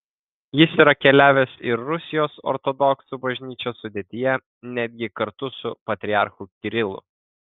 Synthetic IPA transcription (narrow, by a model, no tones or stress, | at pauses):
jɪsiːɾɐkʲɛlʲæːʋʲeːsɪɾːʊsʲɪjoːsɔ̰ɾt̪ɔd̪ɔksuːbɐʒʲnʲiːt͡ʃʲoːsːʊd̪ʲeːt̪ʲɪjɛ | nʲæd̪ʲɡʲɪkɐɾt̪ʊsʊpɐt̪ʲɾʲɪɑˑɾxukʲɪɾʲɪlˠʊ̰